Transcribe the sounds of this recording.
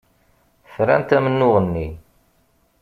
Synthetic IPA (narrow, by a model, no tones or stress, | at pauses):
fɾæ̰nt̪æmənːʊʁənːi